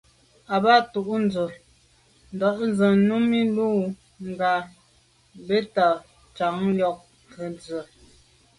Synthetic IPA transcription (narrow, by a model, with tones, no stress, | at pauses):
a˨ba˦tu˨ʔn˦d͡zə˨ | n˨dɔ˨˦ʔn˦zə˨nu˦mi˦luː˦˨ | ŋ˨ɡa˨ | be˦ta˨ | t͡ʃa˨˦ŋljɔ˦˨k̚ | kə˨nd͡zə˨